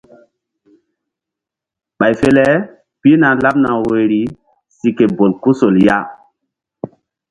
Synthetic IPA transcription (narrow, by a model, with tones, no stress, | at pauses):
ɓa˨jfe˦lɛ˦ | pi˦na˨la˦p̚na˨wo˨jɾi˨ | si˨ke˨bo˨lku˦so˨lja̰˦